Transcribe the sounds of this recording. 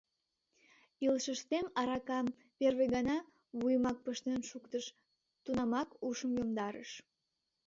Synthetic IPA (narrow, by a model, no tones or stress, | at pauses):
ilʃəʃt̪emɑɾɑkɑm | perβeɣɑnɑ | βujəmɑk̚pəʃt̪enʃukt̪əʃ | t̪unɑmɑkuʃəmjomd̪ɑɾə̰ʃ